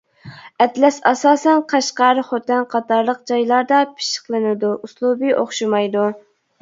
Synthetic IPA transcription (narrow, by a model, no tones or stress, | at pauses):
ɛt̪lɛsɑsɑːsɛnqʰɑʃqɑɾχot̪ɛnqʰɑt̪ɑɾlˠəq̚d͡ʒɑjlˠɑɾd̪ɑpʰɪ̥ʃə̥qlˠɨnɪd̪uʔuslˠubɨʔoχʃumɑjd̪u